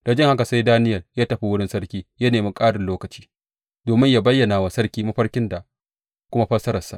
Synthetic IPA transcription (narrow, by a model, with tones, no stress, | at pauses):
d̥a˨d͡ʒɪ˦ŋha˦ka˨sa˦jdaː˦nɪ˦jɐ˨ljaː˦tɐ˨ɸi˦wʊ˦ɽɪ˦nsɐ˦ɽkʲiː˦jɐ˦neː˨mi˦kʼaː˦dɪ˨loː˦kɐ˨t͡ʃi̥ː˦ | doː˨mɪ˦ɲja˦bɐ˦jːɐ˨naː˨wa˨sɐ˦rkʲiː˦mɐ˦ɸɐ˦ɾkʲɪ˦nda˨ | kʷʊ˦ma˦ɸɐ˦sɐ˦ɾɐ˨sa̰˨ʔ